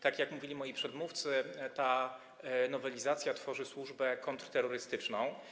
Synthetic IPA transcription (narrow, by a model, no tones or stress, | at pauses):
t̪akjakmuvʲilʲimɔjipʂɛd̪muft̪sɘt̪a | nɔvɛlʲizat̪sʲjat̪fɔʐɘswuʐbɛkɔnt̪ɾt̪ɛɾːɔɾɘst̪ɘt͡ʂnɔ̃w̃